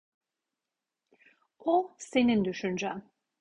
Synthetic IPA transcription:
ose̞nind̪yʃynd͡ʒæm

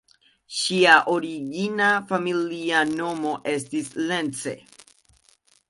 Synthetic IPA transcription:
ʃiaʔo̞ɾiɡinafamiliano̞mo̞ʔe̞stisle̞nt͡se̞̰

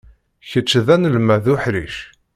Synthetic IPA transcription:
çət͡ʃːðænəlmæðʊħɾiʃ

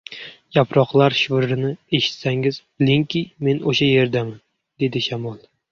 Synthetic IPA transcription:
japɾɒqlˠaɾʃʊvɾɾɪnɪe̞ʃɪ̥t̪saŋɪz̥blɪŋkʲɪme̞noʃaje̞ɾd̪aman | d̪̥e̞d̪ɪʃamɒlˠ

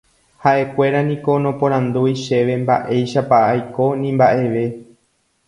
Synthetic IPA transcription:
haʔe̞kʷe̞ɾanĩko̞nõ̞põɾ̃ãnd̪ujʃe̞ʋe̞mbaʔe̞jʃapaːjko̞nĩmbaʔe̞ʋe̞

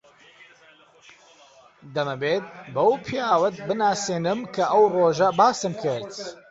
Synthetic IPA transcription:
d̪ɐmɐbeːt̪̚bɐwpʰijaːwɐt̪̚bɨnaːseːnɨmkʰɐʔɐwroːʒɐbaːsɨmkʰɐjt̪

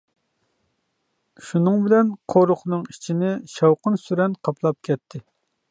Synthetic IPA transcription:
ʃunɨŋbɪlɛnqʰoɾʊχnɨŋi̥t͡ʃʰinɪʃɑwqənsyɾɛnqʰɑpʰlˠɑp̚kʲʰɛt̪ʰːɪ

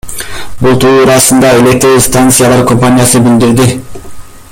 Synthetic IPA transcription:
bulˠt̪ʰuːɾɑsɯnd̪ɑe̞lʲek̚t̪ɾist̪ant̪sɨjalˠɑɾko̞mpanʲijasɯbild̪iɾd̪i

